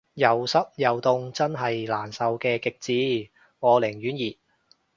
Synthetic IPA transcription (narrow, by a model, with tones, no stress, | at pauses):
jɐ˨wsɐ˥p̚jɐ˨˩wt̪ʊ˧ŋt͡sɐ˥nɦɐ˨jlaː˨˩nsɐ˨wkɛː˧kɪ˨k̚t͡siː˨˧ | ŋɔː˨˧lɪ˨˩ŋjyː˨˥njiː˨˩t̚